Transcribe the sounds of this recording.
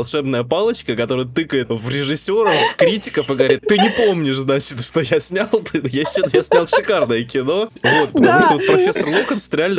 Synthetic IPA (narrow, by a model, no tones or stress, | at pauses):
lˠʂɛbnəjəpalˠət͡ɕkəkɐt̪o̞ɾəjət̪ɨkəjɪt̪vɾʲɪʐɨsʲːo̞ɾəfkɾʲitʲɪ̥kəfɨɡəvɐɾʲit̪t̪ːɨnʲɪpomnʲɪʂznat͡ɕɪt̪ʂt̪o̞jasʲnʲalˠt̪ɨjat͡ɕːat̪jasʲnʲalˠʂɨkarnəjəkʲɪno̞vo̞t̪̚ppət̪ɐmuʂt̪ovot̪pɾɐfʲesːərlˠokənst̪ɾʲɪalʲnə